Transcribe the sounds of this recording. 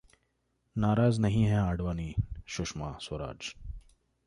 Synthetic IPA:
naːɾaːznɐɦĩɦɛ̃aːɖʋaːniːʃʊʃmaːsoɾa̰ːd͡ʒ

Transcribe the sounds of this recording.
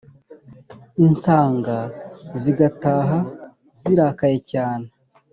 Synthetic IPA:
insaːŋɡaziɡataːɦa | z̥iɾaːkaje̞caːne

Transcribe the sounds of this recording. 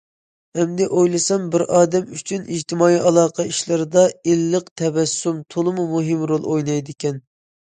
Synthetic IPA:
ɛmd̪ɛʔojlˠɨsɑmbɪɾɑːd̪ɛmyt͡ʃʰynid͡ʒt̪ʰɪmɑːiʔɑlˠɑːqʰɑiʃlˠɨɾɨd̪ɑelːəqt̪ʰɛvɛsːumt̪ʰolˠɨmumuɦɪmɾolˠojnɑjd̪ɪkʲɛn

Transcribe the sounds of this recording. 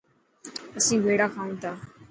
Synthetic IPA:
əsĩbʱeːɽakʰaːũt̪aː

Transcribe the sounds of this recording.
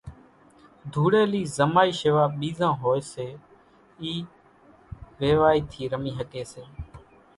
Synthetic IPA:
d̪ʱuːɽeːliːzəmaːiːʃeʋaːɓiːzãːɦoːeːseː | iː | ʋeːʋaːiːt̪ʰiːɾəmiːɦəkeːseː

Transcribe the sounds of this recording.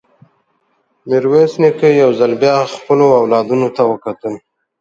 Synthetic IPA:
mɪɾwesnikəjawzalbjɑxpəloawlɑd̪unot̪awəkat̪əl

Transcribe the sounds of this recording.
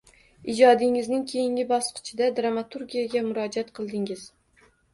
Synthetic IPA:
ɪd͡ʒɒd̪ɪŋɪznɪŋkʲʰejɪŋʲɪbɒsqʰɨ̥t͡ʃʰɪd̪ad̪ɾamat̪ʰuɾɡʲijaɡʲamʊɾɒd͡ʒat̪qʰɨlˠd̪ɪŋɪz̥

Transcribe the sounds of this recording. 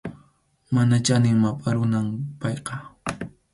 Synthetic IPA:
manat͡ʃanɪŋmapʼaɾʊnampɑjqɑ

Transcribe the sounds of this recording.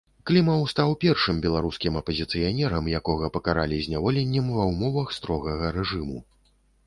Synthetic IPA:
klʲimɐwst̪awpʲɛrʂɨmbʲɛlˠaɾuskʲimɐpɐzʲit̪sɨjanʲɛɾɐmjakɔɣɐpɐkaɾa̰lʲizʲnʲavɔlʲɛnʲːɐmvɐwmɔvɐxst̪ɾɔɣɐɣɐɾɛʐɨmu

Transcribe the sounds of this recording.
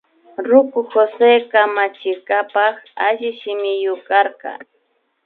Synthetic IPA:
ɾʊkʊxosekamat͡ʃɪkapɑχaʒɪʃɪmɪjʊkɑɾqɑ̰

